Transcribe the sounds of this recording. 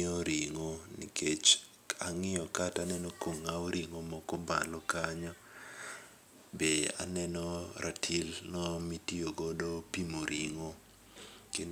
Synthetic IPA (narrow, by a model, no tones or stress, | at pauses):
ɔɾiŋonḭket͡ʃ | aŋɪjɔkatanɛnɔkoŋaoɾʔiŋomɔkɔmba̰lɔkaɲɔ | bea̰nɛnɔɾʔatʰilnɔmitioɡɔdopimoɾʔiŋo | ke